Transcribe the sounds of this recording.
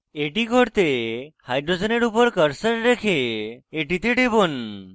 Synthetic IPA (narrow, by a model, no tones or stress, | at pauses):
eʈiɡʱoɽt̪ehajɖɾod͡ʒeneɽupɔɾkəɾsəɾɾekʰeːʈit̪eʈebon